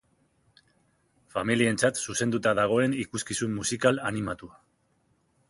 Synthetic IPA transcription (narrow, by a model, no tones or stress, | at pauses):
familie̞nt͡sat̪suse̞nd̪ut̪aðaɣ̞o̞e̞nikuskisummusikalanimat̪ua